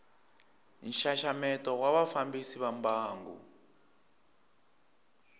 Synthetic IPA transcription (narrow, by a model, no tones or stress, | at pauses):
n̩ʃaʃamɛtɔwaβafambisiβambaːŋɡṵ